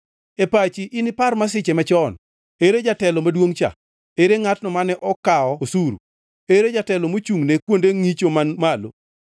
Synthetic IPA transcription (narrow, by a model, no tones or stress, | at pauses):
epat͡ʃiʔɪnɪparmas̬ɪt͡ʃɛmat͡ʃɔn | eɾed͡ʒatɛlɔmadwoŋt͡ʃa̰ | eɾeŋatnɔmanɛʔɔkaɔosuɾṵ | eɾed͡ʒatɛlɔmot͡ʃuŋnekwondeŋit͡ʃomanmalo̰